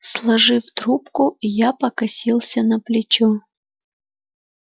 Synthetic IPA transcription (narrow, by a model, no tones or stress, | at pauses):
slˠɐʐɨft̪ɾupkʊijapəkɐsʲilˠsʲənəplʲɪt͡ɕɔ